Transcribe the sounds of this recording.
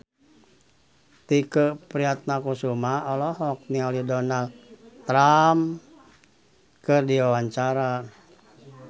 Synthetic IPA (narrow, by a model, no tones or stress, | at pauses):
t̪ikəpɾiat̪̚nakusumaɔlɔɦɔk̚nialidɔnalt̪ːɾam | kɨrdiawaɲt͡ʃaɾa